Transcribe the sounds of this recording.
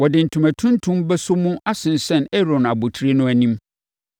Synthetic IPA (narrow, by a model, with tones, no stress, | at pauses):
wɔ˨dɪ˨n̩˨tʰũ˨mæ̃˨tʰũ˦ntʰũ˦mbɛ˦sʊ˦mũ˦a˦sɪ̃˨n˨sɛ̃˦˨nɛ˦ɾɔ̃˨na˨bo˨tʰɾe˦nʊ̃˦æ˨nĩ˦m